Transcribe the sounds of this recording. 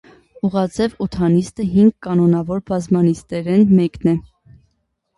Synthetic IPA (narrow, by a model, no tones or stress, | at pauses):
uʁɑd͡zɛvɔt̪ʰɑnist̪əɦiŋɡkɑnɔnɑvɔɾbɑzmɑnist̪ɛɾɛnmɛknɛ